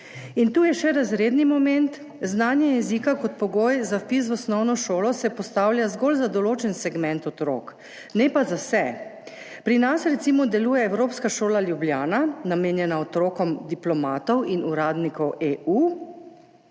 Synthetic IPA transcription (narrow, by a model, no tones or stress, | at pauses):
int̪uːjɛʃɛɾazɾeːd̪nimɔmɛnt̪ | znaːnjɛjɛzikakɔt̪̚pɔɡojzafpis̬ʋɔsnɔwnɔʃoːlɔsɛpɔst̪awljazɡolzad̪ɔloːt͡ʃɛnsɛɡmɛnt̪ɔt̪ɾo̰ːk | nɛpazasɛ | pɾinasɾɛt̪simɔd̪ɛluːjɛːwɾopskaʃoːlaljubljaːnanameːnjɛnaɔt̪ɾoːkɔmd̪iplɔmaːt̪ɔwinuɾaːd̪nikɔweʔu